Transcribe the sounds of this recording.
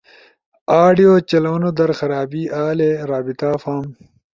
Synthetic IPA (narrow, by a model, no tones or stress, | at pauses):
aːɖijoːt͡ɕɐlɐɐnod̪ɐɾxɐɾaːbiaːleɾaːbit̪aːfaːm